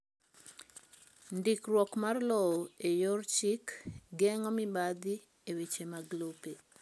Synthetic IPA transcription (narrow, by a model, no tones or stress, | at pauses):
ndikrwɔkmarlɔoejort͡ʃikɡɛŋɔmibad̪i | ewet͡ʃemaɡlope